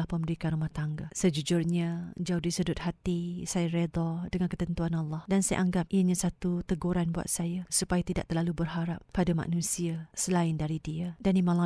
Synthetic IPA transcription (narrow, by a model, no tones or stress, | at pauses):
ahpəmbəɾikanrɾumaht̪aŋɡasəd͡ʒud͡ʒʊrɲad͡ʒaudisədʊt̪̚hat̪isajaɾed̪ɔdəŋankət̪ənt̪uanɑlːɑhdansaja̰ʔaŋɡap̚ʔiəɲãsat̪ut̪əɡuɾanbua̰t̪̚sajasupajat̪ida̰ʔ̚t̪əlalubərɦaɾap̚ːadama̰nũsiasəlaɪndaɾidiədanimãla